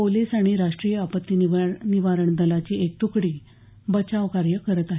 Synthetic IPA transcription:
poliːsaɽ̃iɾaʂʈɾijəapət̪ːiniʋaɾəɳd̪əlat͡ɕiːek̚t̪ukɽiː | bət͡ɕaʋkaɾjəkəɾət̪aɦe

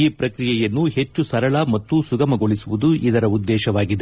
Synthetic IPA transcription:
iːpɾɐkɾijɛjɐnːuhe̞t͡ʃːusɐɾɐɭɐmɐt̪ːusuɡɐmɐɡoɭisuʋud̪uid̪ɐɾɐud̪ːɛːʃɐʋaːɡid̪e

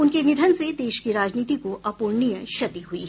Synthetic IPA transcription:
ʊnkenɪd̪ʱənsed̪eːʃkiɾaːd͡ʒniːt̪ikoʔɐpuːɾnijəʃɐd̪iɦuḭ

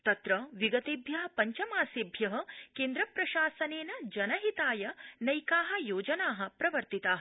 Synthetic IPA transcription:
t̪ɐt̪ɾɐʋiɡɐt̪eːbʱjɐɦɐ̆pɐɲt͡ʃɐmaːseːbʱjɐɦɐ̆keːnd̪ɾɐpɾɐʃaːsɐneːnɐd͡ʒɐnɐɦit̪aːjɐnɐjkaːɦɐ̆joːd͡ʒɐnaːɦɐ̆pɾɐʋɐɾt̪it̪aːɦɐ

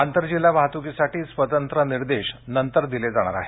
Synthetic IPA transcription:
ant̪əɾd͡ʑilaʋaɦt̪ukisaʈʰiːsʋət̪ənt̪ɾəniɾd̪eɕnənt̪əɾd̪iled͡zaɽ̃a̰ɾa̰ɦe

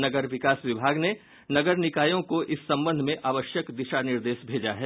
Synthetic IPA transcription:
nɐɡəɾʋɪkaːsʋɪbʱaːɡne | nɐɡəɾnɪkaːjõkoʔɪsːɐ̃mbə̃nd̪ʱmẽʔaːʋəʃjəkd̪ɪʃanɪɾd̪eːʃbʱeːd͡ʒaɦɛː

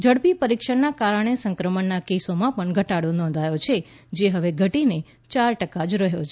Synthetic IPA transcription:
d͡ʒəɽpipəɾikʃəɳnakaɾəɳ̃esə̃ŋkɾəməɳnakesomãpəɳɡʱəʈaɽonɔ̃nd̪ʱajot͡ʃʰe | d͡ʒeɦəʋeɡʱəʈine | t͡ʃaɾʈəkad͡ʒɾəɦjot͡ʃʰ

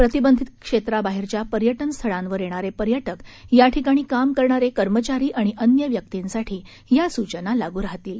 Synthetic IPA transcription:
pɾət̪ibənd̪ʱit̪kʂet̪ɾabaɦiɾt͡ɕjapəɾjəʈənst̪ʰəɭãnʋəɾjeɽ̃aɾepəɾjəʈəkjaʈʰikaɽ̃iːkamkəɾɳaɾekəɾmət͡ɕaɾiːʔaɽ̃iʔənjəʋjək̚t̪insaʈʰiː | jasut͡ɕənalaɡuːɾaɦt̪iːl

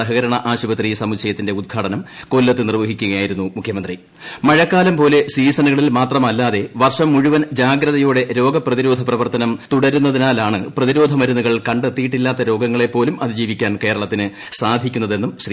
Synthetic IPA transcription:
ɐɦɐɣɐɾɐɳɐʔaːɕubɐt̪risɐmukɕɐjɐt̪ːinde̞ud̪̚ɡʱaːɽɐnɐmko̞lːɐt̪ːɨnirʋɐɦikʲːuɣɐjaːjiɾunːumukʰjɐmɐnd̪ri | mɐɻɐkːaːlɐmpo̞ːle̞siːsɐnuɣɐɭilmaːt̪rɐmɐlːaːðe̞ʋɐrʂɐmːuɻuʋɐnd͡ʑaːɡɾɐðɐjuːɽe̞ɾo̞ːɡɐprɐðiɾo̞ːd̪ʱɐprɐʋɐrt̪ːɐnɐmt̪uɽɐɾunːɐðinaːlaːɳɨprɐðiɾo̞ːd̪ʱɐmɐɾunːuɣɐɭkɐɳɖet̪ːijiʈːilːaːt̪ːɐɾo̞ːɡɐŋːɐɭe̞pːo̞ːlumʔɐðɨd͡ʑiːʋikʲːaːnke̞ːɾɐɭɐt̪ːinɨ | saːd̪ʱikʲːunːɐðe̞nːumɕri

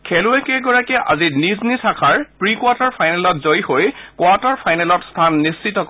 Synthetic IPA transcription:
kʰɛluɛkɛɡɔɹakɛʔa̰ziniznisʰakʰaɹpɹikwataɹpʰajnɛlɔtzojxojkwataɹpʰajnɛlɔtstʰanːist͡ʃitɔk

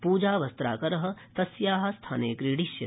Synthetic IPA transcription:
puːd͡ʒaːʋɐst̪ɾa̰ːkɐɾɐɦɐ̆t̪ɐsjaːɦɐ̆st̪ʰaːnḛːkɾiːɽiʃjɐ

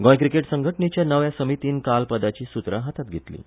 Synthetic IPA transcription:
ɡɔ̃jk̬ɾikeʈsəŋɡʱəʈnet͡ɕjanəʋjasəmit̪iːnkalpəd̪at͡ɕiːsut̪ɾəɦat̪at̪̚ɡʱet̪lḭː

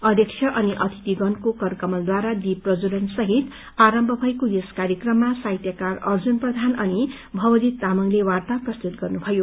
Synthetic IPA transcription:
ʌd̪jʌkt͡ʃʰjʌʔʌniʔʌt̪ʰi̥t̪iɡʌnkokʌrkʌmʌld̪waɾad̪iprʌd͡zulʌnsʌɦit̪ | aɾʌmbʱʌbʱʌjkojeskaɾjekrʌmːasajt̪jʌkarʌrd͡zunprʌd̪ʱanʌni | bʱʌwʌd̪it̪ːamʌŋlewart̪aprʌst̪ut̪̚ɡʌrnubʱʌjo

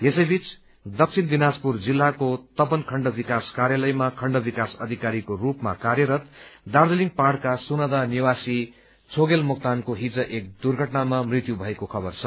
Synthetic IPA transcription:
jesʌjbit͡s | d̪ʌk̚t͡sʰind̪inad͡zpurd͡zilːakot̪ʌpʌnkʰʌɳɖʌbikaskaɾjalʌjmakʰʌɳɖʌbikasʌd̪ʱikaɾikorupma̰kaɾjʌɾʌt̪d̪ard̪eliŋpaɽkasunʌd̪aniwasi | t͡sʰoɡelmuk̚t̪ankoɦid͡zʌʔek̚d̪urɡʱʌʈnamamrit̪jubʱʌekokʰʌbʌrt͡sʰʌ

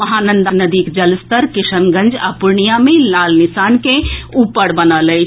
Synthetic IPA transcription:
ɐɦaːnə̃nd̪anəd̪iːkd͡ʒɐlst̪əɾkɪʃənɡə̃nd͡ʒa̰pʊɾɳijamẽlaːlnɪsaːnkeupəɽbənələ

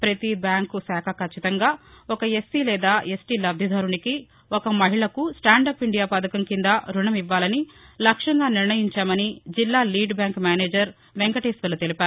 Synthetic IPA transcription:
pɾɐt̪ibjaːŋkusaːkʰɐkɐt͡ʃʰːit̪ɐŋɡaːɔkɐesːilɛːd̪aːesʈilɐb̚d̪ʱɐd̪ʱɐːɾuɳiki | ɔkɐmɐɦiɭɐkusʈaːɳɖɐpiɳɖijaːpɐd̪ɐkɐmkind̪ɐɾuɳɐmiʋːaːlɐnilɐkʂɐŋɡaːniɾɳɐjiɲt͡ʃaːmɐnid͡ʒilːaːliːɖbjaːŋkmaːneːd͡ʒɐɾ | ʋeŋkɐʈeːsʋɐlut̪elipaːɾu

